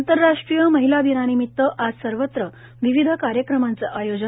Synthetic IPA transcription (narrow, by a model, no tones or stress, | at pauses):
ənt̪əɾːaʂʈɾijəməɦilad̪iɾanimit̪ːəʔad͡zsəɾʋət̪ɾə | ʋiʋid̪ʱəkaɾjəkɾəmãnt͡səʔajod͡ʑ